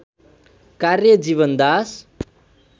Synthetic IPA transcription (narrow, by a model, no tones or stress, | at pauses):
karjʌd͡ʒiβʌnd̪as